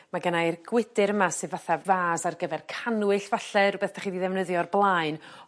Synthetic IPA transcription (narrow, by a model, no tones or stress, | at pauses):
maɡənajrɡ̥wɪdɨɾəmasɨðvaθavaːzarɡəvɛrkʰanwɨɬv̥aɬɛɾbeːθd̥ʰaχiːdiðɛvnəðjɔrblˠaɨn